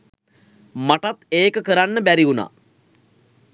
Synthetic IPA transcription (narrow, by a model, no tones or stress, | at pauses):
maʈat̪eːkəkəɾanːəbæɾiuna̰